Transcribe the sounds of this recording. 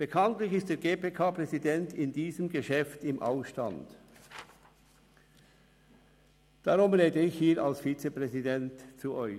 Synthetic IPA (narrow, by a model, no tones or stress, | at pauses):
b̥əkʰɑntlɪçɪstd̥eːɐɡeːpeːkʰaːpʁɛzidɛntɪndiːzəmɡəʃɛftɪmʔa̰ʊsʃta̰nt | d̥aʁʊmʁeːdəɪçhiːɾalsfiːt͡səpʁɛzidɛntt͡suʔɔʏ